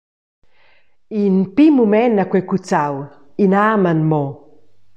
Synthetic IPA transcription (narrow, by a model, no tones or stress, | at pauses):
inpimumɛnakwekut͡saw | inamanmo